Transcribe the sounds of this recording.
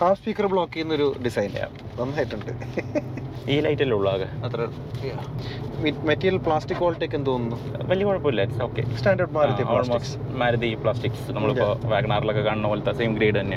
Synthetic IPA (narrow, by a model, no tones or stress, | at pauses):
kaːspikːɐrbɭoːkːikːunːɐo̞ɾuɖisɐjn̰ja̰ː | ʋɐnːaːjiʈːuɳɖɨ | iːlɐjtːɐiluɭːaːɣɐɐt̪rɐ | jammetːijɐlpɭaːsʈikːoːlʈːeːk̬ʲːɐnɨt̪oːnːunːuʋɐlijɐkoːɻɐpːoːilːɐiʈiso̞ːkːḛsʈaːɳɖɐrɖmaːɾɐioːɭmoːsɨmaːɾɐd̪ipɭaːsʈikːsnɐmːɐɭipːo̞ːʋaːɡɳaːrilo̞kːekaːɳnːɐoːlt̪ːɐseːmɡɾeːɖɨt̪ɐnːe